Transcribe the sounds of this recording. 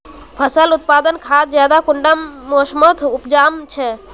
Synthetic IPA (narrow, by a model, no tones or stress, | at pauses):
pʰəsəlut̪̚pad̪ənkʰad͡ʒjad̪akuɳɖamːosmət̪ʰupd͡ʒamt͡ʃʰɛ